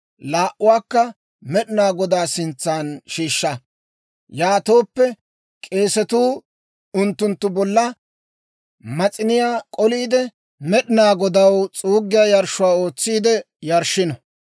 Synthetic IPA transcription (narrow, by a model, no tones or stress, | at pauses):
laːʔʊwaːkːɐ | mɛɗɪnaːɡɔd̪aːsɪnt͡sːaːnʃiːʃːɐ | jaːt̪o̞ːpːɛ | kʼe̞ːsɛt̪uː | ʊnt̪ːʊnt̪ːʊbɔlːɐ | mɐt͡sʼɪnɪjaːkʼɔliːd̪ɛ | mɛɗɪnaːɡɔd̪ɐwt͡sʼuːɡːɪjaːjɐɾʃʊwaːo̞ːt͡sːiːd̪ɛ | jɐɾʃɪnɐ